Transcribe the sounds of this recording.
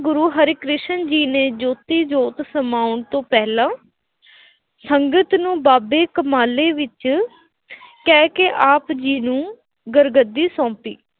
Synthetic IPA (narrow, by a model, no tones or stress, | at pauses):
ɡʊɾuːɦəɾiːkɾɪʃənd͡ʒiːneːd͡ʒoːt̪iːd͡ʒoːt̪səmaːʊɳt̪õːpɛːlãː | səŋɡət̪nũːbaːbeːkəmaːleːʋɪt͡ʃ | kɛːkeʔaːpd͡ʒiːnũː | ɡəɾɡəd̪ːiːsɔ̃ːpḭː